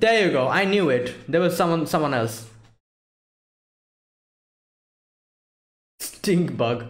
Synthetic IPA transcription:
d̪̥ejuɡoʔaɪnjuɪʈd̪ewʌzsʌ̃mwʌ̃nsʌ̃mwʌ̃nɛls | sʈĩŋkbʌɡ

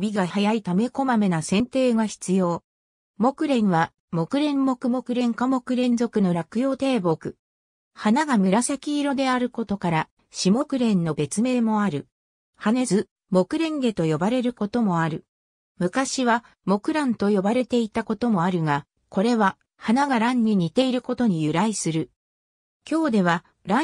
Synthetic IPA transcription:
bʲiɡahajait̪ame̞ko̞mamenasẽ̞nt̪e̞ːɡaçi̥t͡sɨjo̞ː | mo̞kɯ̟ɾẽ̞ɰ̃βa | mo̞kɯ̟ɾẽ̞mːo̞kɯ̟mo̞kɯ̟ɾẽ̞ŋkamo̞kɯ̟ɾẽ̞nzo̞kɯ̟no̞ɾakɯ̟jo̞ːt̪e̞ːbo̞kɯ̟ | hanaɡamɯ̟ɾasakʲiːɾo̞d̪e̞aɾɯ̟ko̞t̪o̞kaɾa | ɕimo̞kɯ̟ɾẽ̞nːo̞be̞t͡sɨme̞ːmo̞aɾɯ̟ | hanezɨ | mo̞kɯ̟ɾẽ̞ŋɡe̞t̪o̞jo̞baɾe̞ɾɯ̟ko̞t̪o̞mo̞aɾɯ̟ | mɯ̟kaɕiβa | mo̞kɯ̟ɾãnt̪o̞jo̞baɾe̞t̪e̞it̪ako̞t̪o̞mo̞aɾɯ̟ɡa | ko̞ɾe̞βa | hanaɡaɾãɲ̟ːiɲ̟it̪e̞iɾɯ̟ko̞t̪o̞ɲ̟ijɯ̟ɾaisɨɾɯ̟ | kʲo̞ːd̪e̞β̞a | ɾa

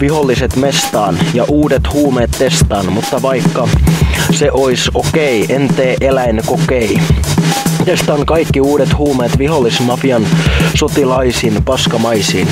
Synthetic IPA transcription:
ʋiɦolːiset̪mest̪ɑːnjɑʔuːdet̪huːmeːt̪t̪est̪ɑːnmut̪ːɑʋɑikːɑseʔoisokeient̪eːʔelæinkokei | t̪est̪ɑnkɑikːiuːɾet̪huːmeːt̪ʋiɦolːismɑfiɑnsot̪ilɑisiːnpɑskɑmɑjsiːn

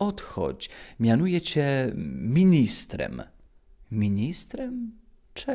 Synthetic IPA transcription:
ɔt̪xɔ̰t͡ɕmʲjanujɛt͡ɕɛmʲiɲist̪ɾɛ̰m | mʲiɲist̪ɾɛm | t͡ʂɛ

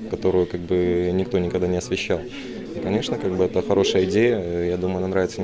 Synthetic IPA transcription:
kɐt̪o̞ɾʊjʊkaɡ̚bɨnʲɪkt̪o̞nʲɪkɐɡd̪anʲɪɐsvʲɪɕːalˠ | ikɐnʲe̞ʂnəkaɡ̚bɨɛt̪əxɐɾo̞ʂəjəɪdʲejəjad̪uməʊjʊɐnanɾavʲɪt̪sə

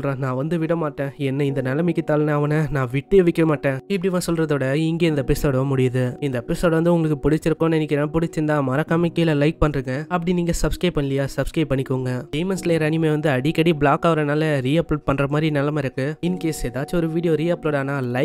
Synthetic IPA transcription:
ɾẽːnãːʋɐnd̪ɯʋɪɽɐmaːʈːẽːɛnːɐɪnd̪ɐnɐlɐmɪkːɯt̪ːaːlnɐɐʋɐnɐnãːʋɪʈːɯʋɪkːɐmaːʈːẽːɪpːɐɽɪʋãːsɔlɾɐðoːɽɐɪŋɡeːɪnd̪ɐpɪsoːɽɐʋɐmʊɽɪjɐðɯɪnd̪ɐpɪsoːɽʋɐnd̪ɯʊŋɡɐɭɯkːɯpʊɽɪt͡ʃːɪɾɯkːʊ̃nɪnːɪkːɪɾnapʊɽɪt͡ʃːɪɾnd̪ãːmɐɾɐkːaːmɐkːeːɪlɐlɐɪk̚pɐɳːɾɯŋɡɐɐpːɐɽiniːŋɡɐsɐbskɾɐɪpːɐɳːɪlɐjaːsɐbskɾɐɪpːɐɳːɪkːoːŋɡɐʈeɪmɐnsleːɾɐnɪmeːʋɐnd̪ɯɐɽikːɐɽibɭaːkɐʋɐɾɐnaːlɐɾiːɐpːloːʈ̚pɐɳːɾɐmaːd̪ɾinɐlːɐmɐɪɾɯkːɯɪnːkːeːsɛðaːt͡ʃːɔɾɯʋiːɽɪjoːɾiːɐpːloːɽaːnaːlɐɪ

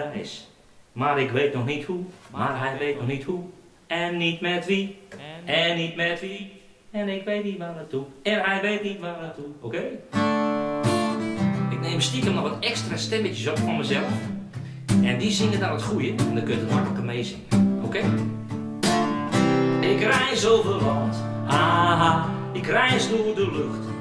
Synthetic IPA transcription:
ɪ̰s | maɾɪkʋeːtnɔxnithumarɦɛjʋeːtnɔxnithu | ɛnːitmɛtʋi | ɛnːitmɛtʋi | ɛnɪkʋeːtnitʋaətuɛnɦɛjʋeːtnitʋadətʰuokeː | ɪk̚neːməstikəmnɔxʋɔtɛkstrastɛmətəsɔpfɔnməzɛlˠəf | ɛndizɪŋədanətχujəɛndɔkønətətmakələkəmeːzɪŋəokeː | ɛɪkrɛjzoːvɪllɔnt | haɦa | ɪkrɛjsnuːdəløxt

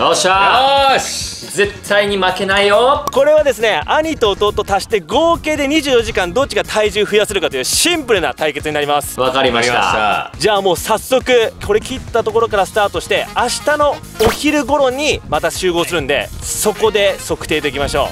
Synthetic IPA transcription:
oːɕa | ze̞t̪ʰːaiɲ̟imake̞naijoko̞ɾe̞βad̪e̞sɨne̞aɲ̟it̪o̞ːt̪o̞ːt̪o̞t̪aɕi̥t̪e̞ɡo̞ːke̞ːd̪e̞ɲ̟iʑɨːjo̞ʑikãnd̪o̞t͡ɕːiɡat̪ʰaiʑɨːɸɯ̟jasɨɾɯ̟kat̪o̞jɯ̟ːɕĩmpɯ̟ɾɯ̟na̰t̪aike̞t͡sɨɲinaɾʲimasɨ̥βakaɾʲimaa̰a̰d͡ʑaːmo̞ːsasːo̞kɯ̟kʰo̞ɾe̞kʲit̪ːat̪o̞ko̞ɾo̞kaɾasɨ̥t̪aːt̪o̞ɕi̥t̪e̞aɕi̥t̪ano̞ | oçiɾɯ̟ɡo̞ɾo̞ɲ̟imat̪aɕɨːɡo̞ːsɨɾɯ̟̃nd̪e̞̰so̞ko̞d̪e̞so̞kɯ̟̥e̞ːd̪e̞kʲimaɕo̞̰ː

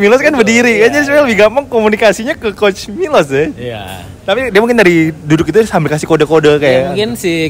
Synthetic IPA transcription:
milɔskanbərdiɾikad͡ʒadispaləbɪhɡampʊŋkomunikasiɲakəkot͡ʃmilɔsdɛja̰ | t̪apidiamuŋk̬ɪndaɾidudʊkit̪usambɪlkasikodakodakajakɪnsi

